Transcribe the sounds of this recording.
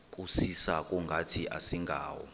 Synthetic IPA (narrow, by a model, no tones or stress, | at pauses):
k̬ʼusisak̬ʼuŋɡʱatʰiʔa̰siŋɡʱa̰ːwɔ̰